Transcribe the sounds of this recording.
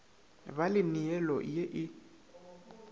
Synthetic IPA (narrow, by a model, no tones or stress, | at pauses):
balɪniɛlɔ̰jeʔɪ